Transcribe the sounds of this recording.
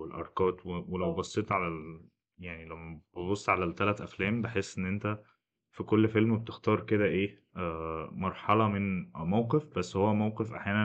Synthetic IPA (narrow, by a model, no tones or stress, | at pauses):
elʔɑ̰ɾˤkɑːt̪wewelæwbɑsˤːet̪ʕalæl | jaʕnilæwmːæb̥ebosˤːʕalælt̪ælæt̪ʔæflæːmbeħesːʔenːʔent̪æ | fikolːfelmbet̪ext̪ɑːɾˤked̪æʔeː | mɑɾˤħɑlɑmenmæwqefbæsːhowːæmæwqefʔaħjæːnæ